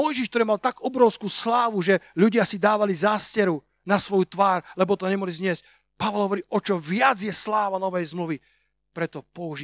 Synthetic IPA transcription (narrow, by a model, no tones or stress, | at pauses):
ɔjʒiʃkt̪ɔɾɛmalt̪aɡɔbɾɔʊskuːslaːʋuʒɛʎuɟɪasid̪aːʋalizaːscɛɾu | nasʋɔjut̪ʋaːɾlɛbɔt̪ɔɲɛmɔɦlizɲɪɛsc̚ | paʋɔlˠɦɔʋɔɾiːʔɔt͡ʃɔʋɪad͡zjɛslaːʋanɔʋɛjzmluʋi | pɾɛt̪ɔpɔuʒi